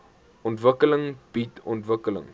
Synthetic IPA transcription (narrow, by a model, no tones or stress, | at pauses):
ɔntvəkələŋb̥itɔntvəkələ̰ŋ